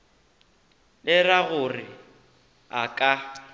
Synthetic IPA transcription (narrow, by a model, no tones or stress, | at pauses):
lɪraɣʊrɪ | akʼa